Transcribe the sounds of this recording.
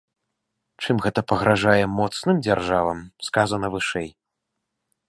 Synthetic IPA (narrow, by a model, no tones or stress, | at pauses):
t͡ʂɨmɣɛt̪ɐpɐɣɾaʐajɛmɔt̪snɨmd͡zʲarʐavɐmskazɐnɐvɨʂɛj